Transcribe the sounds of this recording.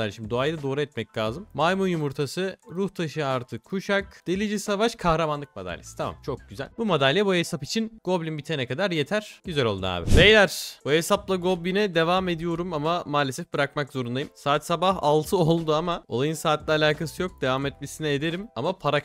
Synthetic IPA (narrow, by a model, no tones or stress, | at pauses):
æɾʃimd̪id̪oajd̪ad̪o̞ːɾuɛt̪mɛclʲaːzɯmːajmujumuɾt̪ʰasɯɾuht̪ʰaʃɯjaːɾt̪ʰɯkʰuʃakd̪̥elʲid͡ʒisavaʃkʰahɾamanlˠɯk̚mad̪a̰lʲːḛsi̥t̪ʰama̰mt͡ʃʰo̞k̚ɟyzæ̰lʲbumad̪alʲːjɛbuesapit͡ʃʰinɡo̞blʲimbit̪ʰanɛkʰad̪aɾjet̪ʰæɾ̥ɟyzælʲo̞lˠd̪ṵa̰ːbḭvejlʲæɾ̥boesaplˠaɡo̞blʲinɛd̪e̞vame̞d̪ijo̞ɾumamamaːlʲesɛfbɯɾak̚makzo̞ɾund̪ajimsaːt̪sabahalˠt̪ʰɯolˠd̪uamao̞̰lˠajɯnsaːt̪lʲɛalʲaːkʰasɯjo̞k̚d̪̥e̞vamɛt̪̚mesinɛed̪e̞ɾimamapʰaɾa